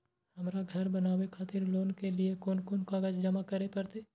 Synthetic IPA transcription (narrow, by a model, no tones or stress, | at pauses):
hɐmɾaɡʱɐɾbɐnaːwekʰaːt̪ɪɾloːnkeliekonkʊnkaɡad͡ʒd͡ʒɐmakɐɾepɐɾt̪eː